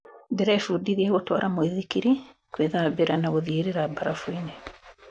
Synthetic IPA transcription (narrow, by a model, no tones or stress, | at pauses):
dɛɾaefuːdiɾiɛɣotwaɾʔamoeðikiɾi | kweðaβeɾanaɣoðieɾeɾabaɾafuine